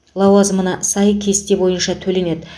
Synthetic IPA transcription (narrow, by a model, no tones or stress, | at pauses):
lˠɑwɑzmənɑsɑjkʲʰe̞st̪e̞bo̞jənʃɑt̪ʰɵle̞ne̞d̪ɪ